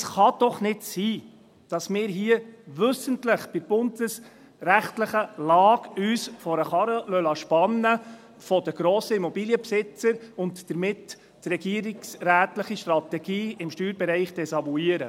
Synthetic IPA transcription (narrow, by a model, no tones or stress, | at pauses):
sχɑd̥ɔχnɪdsiː | d̥ɑsmɪːɾɦiəʋɵsəntləχb̥ɪb̥ʊnd̪̥əs | ɾæχtləχəlɑːɡyːsfɔɾəχɑɾəlœlɑʃpɑnːə | fɔd̥əɡ̥ɾoːsəimɔbiːliəpsɪt͡səɾʊntdəɾmɪtː | rɛɡiəɾɪksræːt̪ləχiʃtrɑt̪ɛɡ̥iːɪmʃtyːɾbɛɾɛɪχd̪̥ɛsɑluiːəɾə